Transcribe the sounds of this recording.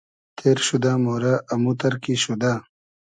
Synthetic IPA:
t̪ʰeːɾɕud̪aːmoːɾaʔːmut̪ɐɾkiɕud̪aː

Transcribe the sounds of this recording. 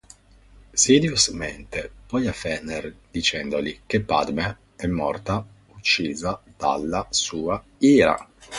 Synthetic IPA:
sid̪jozment̪epɔjafɛnerd̪̥it͡ʃɛnd̪olik̟epːa̰d̪me | ɛmːɔrt̪a | ut͡ʃːiːzad̪̥a̰lːasuːa | iːɾa̰

